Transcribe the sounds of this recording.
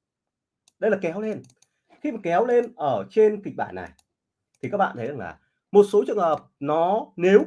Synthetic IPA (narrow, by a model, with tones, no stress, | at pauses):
ɗə˧jlaː˨˩kɛ˨˦wle˧n | xi˧maː˨˩kɛ˨˦wle˧nʔəː˧˩t͡ɕe˧nk̪i˨˩k̟̚ɓa̰ː˧˩nːa̰˨˩j | t̪ʰi˨˩kaː˦˥k̚ɓa̰ː˧˨t̪ʰə˨˦jza˧˩la̰ː˨˩ | mo˨˩t̚so˨˦t͡ɕɨ˨əŋhəː˨˩p̚nɔ˨˦ne˨˦w